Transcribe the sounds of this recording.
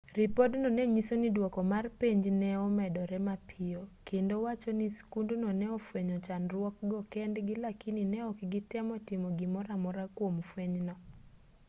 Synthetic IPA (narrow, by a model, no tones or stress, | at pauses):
ripodnɔnɛɲisonidwɔkɔmarpeɲd͡ʒnɛɔmɛdɔɾɛmapʰiɔkʰendowat͡ʃɔniskundonɔnɛɔfweɲɔt͡ʃanrwɔk̚ɡɔkɛndɡɪlakininɛɔkɡɪtɛmɔtɪmɔɡimɔɾamɔɾakwomfweɲnɔ